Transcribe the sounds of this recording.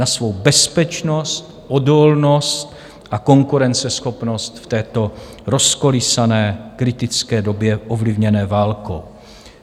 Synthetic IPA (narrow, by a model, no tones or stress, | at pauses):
nasvo̞wbɛspɛt͡ʃno̞st̪ | ʔodolnost̪ | ʔako̞ŋkuɾɛnt͡sɛsxo̞pno̞st̪ft̪ɛːt̪o̞ | ɾo̞sko̞lɪsanɛːkɾɪt̪ɪt͡skɛːdo̞bjɛʔovlɪvɲɛnɛːvaːlko